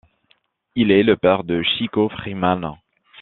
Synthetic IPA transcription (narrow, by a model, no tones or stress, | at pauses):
ilɛləpɛʁd̪əʃikofχiman